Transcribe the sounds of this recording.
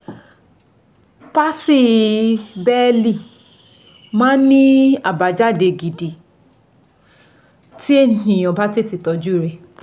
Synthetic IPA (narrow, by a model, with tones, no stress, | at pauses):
pa˦si˦˧˨ | bɛ˦li˦˨ | mãː˦nĩ˦a˨ba˨d͡ʒa˦˨de˧ɡi˨di˨ | ti˦e˦nĩ˨j̃ɔ̃˨ba˦ti˦ti˧˨tɔ˧d͡ʒu˦˨ɾe˧˨